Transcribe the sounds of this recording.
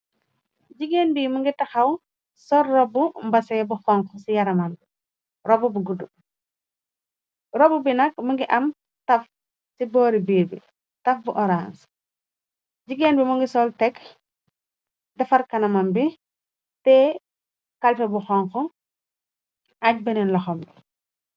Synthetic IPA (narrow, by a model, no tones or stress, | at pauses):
ɟiɡenbimuŋɡitɐxɐw | sɔɾːɔbumbɐsɛbuxɔŋkɔsijɐɾɐmambi | ɾɔbubuɡudu | ɾɔbubinɐkmuŋɡiʔɐm | tɐf | sibɔːɾibiːɾbḭ | tɐfbuʔɔɾans | ɟiɡɛnbimuŋɡisɔltɛk | dɐfɐɾkɐnɐmɐmbi | tɛ | kalfɛbuxɔŋxɔ | aɟ̚bɛnɛnlɐxɔmbi